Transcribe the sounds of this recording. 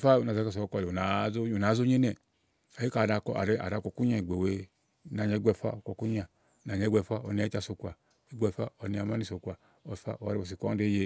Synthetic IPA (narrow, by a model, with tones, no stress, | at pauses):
fa˦u˨na˨a˨˦ka˧s̬ɔ˨˧kɔ˧˨a˨˦o˦u˨na˨˦zo˦ɲe˦nɛ˨ | a˨ji˦ka˨da˧˨kɔ̰˧˨a̰˨ɾe˧˦ʔa̰˨ɾa˨˧˨kɔ˧ku˦ɲa˧˨i˨ɡ͡be˨we˧˦ | na˨ɲɛ˨˧˦ɡ͡bʷɛ˧˨fa̰˦o˨kɔ˧˨ku˦ɲ˦a˨ | na˨ɲɛ˧˦ɡʷɛ˧˨fʷa˦ɔ̰˨ni˧a˨˦a˧˨so˧kʷa˨ | i˦ɡʷɛ˧˨fa̰˦ɔ˧ni˧a˨˧˨ma˦ni˦˨so˧kwa˨ | ɔ˧˨fa̰˦ɔ˨˧ɾe˧ɔ˨s̬i˨kʷa˦de˦je˧